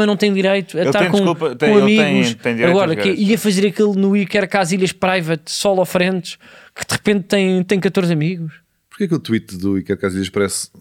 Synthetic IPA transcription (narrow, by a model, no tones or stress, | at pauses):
ɐnɐ̃w̃t̪ɐ̃j̃d̪iɾɐjt̪uɐt̪aɾ̃kõupɐõɐmiɣuʃɐ̃j̃d̪iɾɐɣɔɾɐkeiɐfɐzeɾɐkilˠnuikɛɾkaziʎɐʃpɾajvɐt̪sɔlˠɔfɾẽnt̪ʃkɨðɨʁɨpẽnt̪̚ːɐ̃j̃t̪ɐ̃j̃kɐt̪oɾzɐmiɣuʃ | puɾkeɐkelˠt̪wit̪ðuikɛɾkaziʎɐʃpɐɾɛs